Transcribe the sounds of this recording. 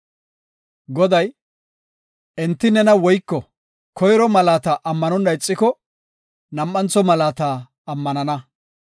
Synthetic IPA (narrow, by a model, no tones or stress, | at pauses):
ɡɔd̪ɐj | ɛnt̪ːɪnɛnɐwɔjkːɔ | kʰɔjɾɔmɐlaːt̪ɐʔɐmːɐnɔnːɐɪt͡sʼːɪkɔ | nɐmʔɐnt͡sːɔmɐlaːt̪aː | ɐmːɐnɐnɐ